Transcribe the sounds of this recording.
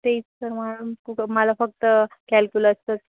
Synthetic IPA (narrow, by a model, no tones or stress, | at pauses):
t̪eit͡stəɾmalukukməlafək̚t̪əkɛlkjuləst̪ət̪